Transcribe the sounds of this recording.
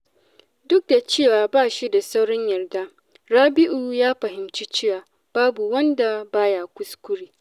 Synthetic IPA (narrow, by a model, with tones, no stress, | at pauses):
dʊ˦k̚da˨t͡ʃeː˦˨waː˨baː˦˨ʃi˦da˨sa˦wɽɔ˦ɲjɐ˨rda˦ | ɽaː˦bɪ˦ʔuː˨jaː˦ɸɐ˨ɦɪ˨mt͡ʃi˦t͡ʃɪ˦waː˨ | b̥aː˦bu˨wɐ˦nda˨baː˦jaː˨kʷʊ˦skʷʊ˦ɽiː˨